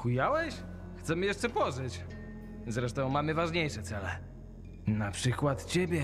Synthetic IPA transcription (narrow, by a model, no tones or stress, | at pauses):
kujawɛɕ | xt̪sɛmɘjɛʂt͡ʂɛpɔʐɘt͡ɕ | zɾɛʂt̪ɔ̃w̃mamɘvaʐɲejʂɛt̪sɛlɛ | napʂɘkwat̪t͡ɕebʲjɛ